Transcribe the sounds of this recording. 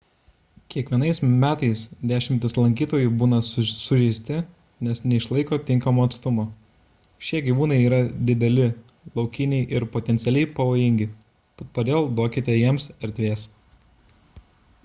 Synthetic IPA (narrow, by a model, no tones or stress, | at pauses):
kʲiɛkʋʲiɛnɐɪsmʲæːt̪ɐɪsd̪ʲæːʃʲɪmʲt̪ʲɪslˠɐŋʲkʲiːt̪oːjubuːnɐsʊʒʲɛɪsʲt̪ʲɪ | nʲɛsnʲɛɪʃlˠɐɪkoːt̪ʲɪŋkɐmoːɐt̪st̪ʊmoː | ʃʲiɛɡʲiʋuːnɐɪiːɾɐd̪ʲɪd̪ʲɛlʲɪ | lˠɒʊkʲɪnʲɛɪʔɪɾpot̪ʲɛnt̪sʲɛlʲɛɪpɐʋoːjɪŋʲɡʲɪ | poːd̪ʲeːlˠd̪oːkʲɪt̪ʲɛjiɛmsɛɾʲt̪ʲʋʲeːs